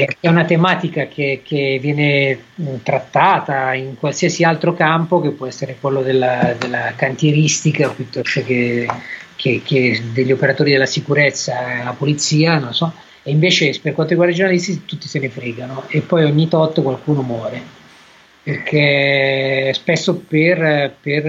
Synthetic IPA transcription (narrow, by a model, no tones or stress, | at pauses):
t͡ʃɛunat̪emaːt̪ikak̟ekʰevːjɛːne | t̪ɾat̪ːaːt̪aiŋkwalsiasialt̪ɾokampok̟epːwɔɛsːeɾekwelːod̪elːad̪elːakant̪jeɾist̪ikaopːjut̪ːɔst̪oke | kʰeked̪eʎːiopeɾat̪oːɾid̪elːasikuɾet̪sːaapolit̪siːanonlosɔ | eiɱveːt͡ʃeperkwant̪oɾiɡwaɾd̪aid͡ʒornalist̪it̪ut̪ːisenefɾiːɡanoepːɔjoɲːit̪ɔt̪ːkwalkuːnomwɔːɾe | perk̟e | spesːoperper